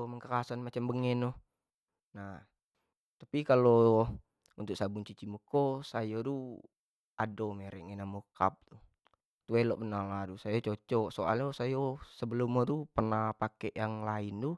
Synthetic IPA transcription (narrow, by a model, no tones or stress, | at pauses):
məŋkəkasanmat͡ʃambəŋɛnɔ | na | t̪apikalo | unt̪uk̚sabuŋt͡ʃit͡ʃimukosajodu | adomeɾɛʔŋenamoka̰p̚t̪u | t̪uɛlɔʔbənarladusajot͡ʃot͡ʃɔsoa̰ljosajosəbəlumːɔt̪upərnahpakɛʔjaŋlaint̪u